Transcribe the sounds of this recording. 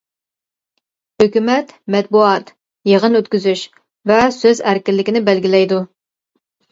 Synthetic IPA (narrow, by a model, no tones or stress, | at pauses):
høkʲymɛt̪mɛt̪̚buɑt̪ | jeʁənøt̪kʲyzyʃ | vɛsøzæɾkʲɪɾlːɪkʲinɪbælɡʲɪlɛjd̪u